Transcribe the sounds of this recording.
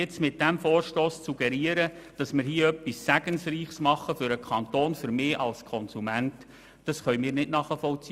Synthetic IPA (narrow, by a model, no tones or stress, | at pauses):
ɪt͡smɪt̚d̥ɛmfoːrʃtoːssuɡɛɾiəɾəd̥ɑsmɪɾhiːəœpːisːæɡənsriːχsmɑχəfʏɾəkʰɑnt̪oːnfʏɾmeːʔɑlskʰɔnsumænt | d̥ɑsχœʏmiːɾnɪdnɑχəfɔlt͡si